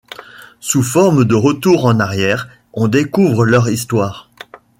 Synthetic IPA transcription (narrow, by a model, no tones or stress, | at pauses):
sufɔʁmd̪əʁət̪uʁɑ̃naʁjɛːʁ | ɔ̃d̪ekuvʁəlœʁist̪waːʁ